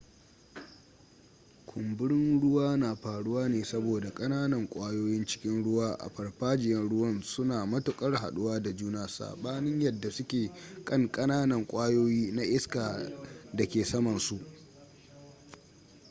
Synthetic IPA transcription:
kʷʰʊ˨mbʊ˦ɽɪ˦nɽʊ˦waː˦naː˨ɸaː˨ɽʊ˦waː˦neː˨sɐ˦boː˨da˨kʼɐ˦naː˦nɐ˨ŋkʷʼaː˦joː˦jɪ˦nt͡ʃɪ̥˦kʲɪ˦nɽʊ˦waː˦ʔa̰˨ɸɐ˨ɽɸaː˦d͡ʒɪ˨jɐ˦nɽʊ˦wɐ˦nsʊ˦naː˨mɐ˦tʊ˨kʼɐ˦rɦa̰˨ɗʊ˦waː˦da˨d͡ʒuː˦naː˨sa̰ː˨ɓaː˦nɪ˦ɲjɐ˨dːa˨sʊ˦kʲeː˨kʼɐ˦ŋkʼɐ˦naː˦nɐ˨ŋkʷʼaː˦joː˦jiː˦na˦ʔɪ˦skaː˨da˨kʲeː˨sɐ˦mɐ˨nsu˨ʔ

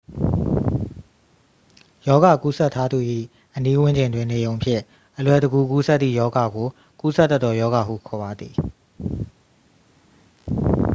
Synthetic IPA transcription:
jɔ˦ɡa˨ku˦sɛ˦˨tʰːa˦d̪u˨ʔḭ˦˨ | ʔəni˦wɪ̃˦ɲd͡ʑɪ̃˨ndwɪ̃˦˨ne˨jõ˨ʊ̃mpʰjɪ̰̃˦˨ | ʔəlwɛ˨dəɡu˦˨k̬u˦sɛ˦t̪̚ːḭ˦˨jɔ˦ɡa˨ɡo˨ | ku˦sɛ˦t̪ːɛ˦t̪ːɔ˨jɔ˦ɡa˨ɦṵ˦˨kʰɔ˨ba˨d̪ði˨

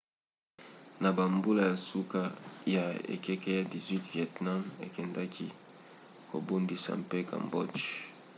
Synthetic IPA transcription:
na˨ba˨mbu˦la˦ja˨su˦ka˦ja˨ḛ˨kɛ˦ke˦ja˨di˨zwi˦tvjɛ˨tna˦mḛ˨kɛ˨nda˦kʰi˦ | ko˨bo˦mbi˨sa̰˨m˨pe˦ka̰˨mbɔ˦t͡ʃ

